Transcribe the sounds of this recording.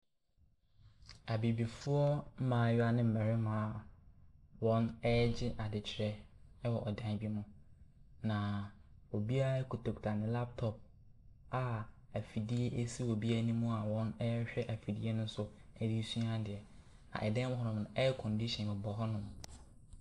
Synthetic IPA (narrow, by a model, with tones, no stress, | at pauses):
a˨bi˨bi˨fʊ˦ɔ˦m̩˦mãː˨˦˨ja˨nɪ̃˦m̩˨mɛ˨ɾɪ˦mãː˨˦˨ | wɔ̃˦nɛ˦ɛ˦d͡ʑɪ˦ʔa˨dɪ˨t͡ɕʰɪ˨ɾɛ˦ɛ˦wɔ˨ʔɔ˨dã˦n˦bi˦mʊ̃˦ | nã˨o˨bi˦a˦kʰu˨tʰo˨ktʰa˨nɪ̃˨la˦p̚tʰɔ˨p̚ | a˨ | æ˨fi˨di˦e˦ʔe˦si˦wo˨bi˦æ˦nĩ˦mũ˦a˨wɔ̃˦nɛ˦ɛ˦ɕᶣɛ˦ʔa˨fi˨di˦e˦nʊ̃˦n˦sʊ˨ɛ˦di˦su˦ã˦dɪ˨ɛ˨ | nã̰˨ʔɛ˨dɛ̃˦mʊ̃˦ɦɔ˦nʊ̃˨m˨nʊ̃˨ʔɛ˦ɛ˦kʰɔ̃˨ndi˦ɕɛ̃˨nmɪ̃˨bɔ˨ɦɔ˦nʊ̃˦m˨